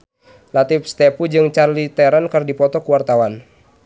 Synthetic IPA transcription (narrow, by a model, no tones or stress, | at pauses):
lat̪if̚st̪ɛpud͡ʒɨŋt͡ʃarlit̪ɛɾankɨrdipɔt̪ɔkuwart̪awan